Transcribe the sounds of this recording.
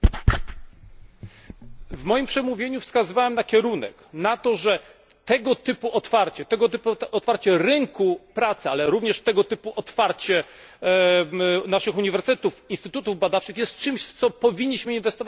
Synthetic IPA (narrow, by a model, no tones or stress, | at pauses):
vmɔjimpʂɛmuvʲjeɲufskazɨvawɛmnakʲɛɾunɛ̰knat̪ɔʐɛ | t̪ɛɡɔt̪ɘpuʔɔt̪faɾt͡ɕɛt̪ɛɡɔt̪ɘpuɔt̪faɾt͡ɕɛɾɘŋkupɾat̪sɛalɛɾuvɲɛʂt̪ɛɡɔt̪ɘpuʔɔt̪faɾt͡ɕɛ | naʂɘxuɲivɛɾst̪t̪ufinst̪ɘt̪ut̪uvbad̪aft͡ʂɘxjɛst̪̚t͡ʂɘmɕt̪sɔpɔvʲiɲːiɕmɘinvɛst̪ɔvat͡ɕ